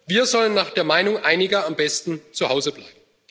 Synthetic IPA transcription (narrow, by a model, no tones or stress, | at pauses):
viːɐzɔlənːaːχd̥eːɐmaɪnʊŋʔaɪnɪɡɐambɛstn̩t͡suhaʊzəbla̰ɪb̚m̩